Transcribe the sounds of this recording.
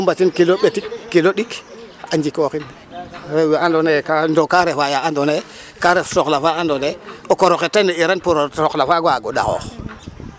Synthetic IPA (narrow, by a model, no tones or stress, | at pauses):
umbatinkilobetikkːiloɗik | aɲd͡ʒikoxin | ɾewjandonekandokaɾefajaandone | kaɾefsoklafaandoneokoɾoxetːaneiɾanpuɾoɾoklafaɡaɡoda̰xo̰x